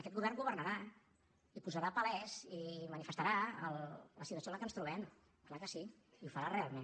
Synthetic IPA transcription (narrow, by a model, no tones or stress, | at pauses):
əkɛt̪ɡuβɛrŋɡuβərnəɾa | ipuzaɾaːpəlɛzimənifəst̪aɾaəlˠləsit̪wəsioləkənst̪ɾuβɛm | klakəsi | iufəɾarealˠmen